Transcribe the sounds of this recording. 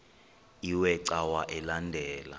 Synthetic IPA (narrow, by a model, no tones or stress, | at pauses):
iwɛǀawaʔɛlandʱɛːla̰